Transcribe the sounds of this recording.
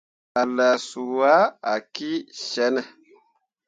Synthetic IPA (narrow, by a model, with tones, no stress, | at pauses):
a˨la˨su˨wa˦a˨ki˦ʃɛ˦nɛ˨